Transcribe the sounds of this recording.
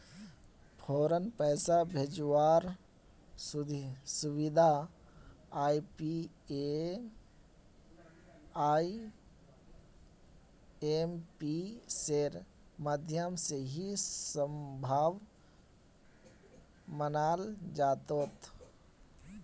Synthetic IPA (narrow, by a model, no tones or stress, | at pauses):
pʰoːɾənpəːsabʱed͡ʒwaːɾ | suwid̪ʱa | aipi | e | ai | empiseɾ | məd̪ʱjəmseɦisəmbʱaːʋ | mənaːld͡ʒaːt̪oːt̪